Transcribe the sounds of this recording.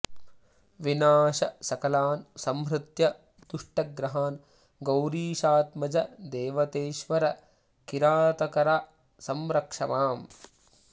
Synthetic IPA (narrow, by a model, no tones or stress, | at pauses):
ʋinaːʃɐsɐkɐlaːnsɐmɦɾɨt̪jɐ | t̪uʂʈɐɡɾɐɦaːn | ɡɐwɾiːʃaːt̪mɐd͡ʒɐd̪eːʋɐt̪eːʃʋɐɾɐ | kiɾaːt̪ɐkɐɾa | sɐmɾɐkʂɐʋaːm